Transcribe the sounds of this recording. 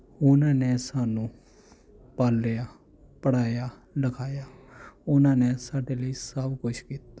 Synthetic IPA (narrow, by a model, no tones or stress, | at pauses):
ʊnãːneːsaːnũː | paːlːeaː | pəɽaːjaːɖəkʰaːjaːʊnãːneːsaːɖeːləiːsəbkʊt͡ʃʰkiːt̪ḁː